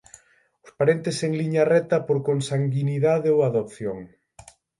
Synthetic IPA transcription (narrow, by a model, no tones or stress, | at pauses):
ʊspaɾent̪eseŋliɲarɛt̪ɐpoɾkoŋsaŋɡiniðaðeowaðop̚θjoŋ